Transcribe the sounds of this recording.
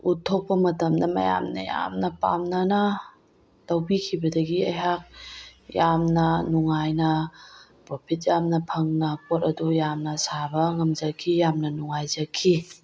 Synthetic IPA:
utʰːok̚pɐmɐtɐmdɐmɐ̰ja̰mnɐ̰ja̰mnɐpa̰mnɐna | tɐwbikʰibɐdɐɡiɐjɦak̚jamnɐnuŋajnɐ | popʰit̚jamnɐpʰɐŋnɐpotɐdujamnɐsabɐŋɐmzɐkʰːijamnɐnuŋajzɐkʰːi

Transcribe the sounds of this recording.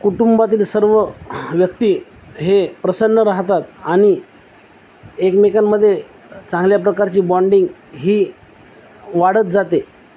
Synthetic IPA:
kuʈumbat̪̬iːlsəɾʋəʋjəkt̪iː | ɦepɾəsənːəɾaɦt̪at̪̚aɽ̃i | ekmekanːəd̪ʱːje | t͡sãŋɡljapɾəkaɾt͡ɕiːbɔɳɖiŋɡɦiː | ʋaɽət̪̚d͡zat̪e

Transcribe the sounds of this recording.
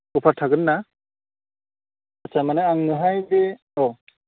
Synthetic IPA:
upʰatʰaɡɯnːa | at͡ʃʰamanɯaŋnɯɦajbe | ɔ

